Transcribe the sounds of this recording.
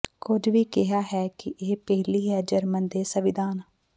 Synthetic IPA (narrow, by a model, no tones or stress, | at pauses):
kʊd͡ʒʋiːkɪɦaːɦɛːkɪʔeːpɛɦliːɦɛːd͡ʒəɾmənd̪eːsəʋɪd̪aːn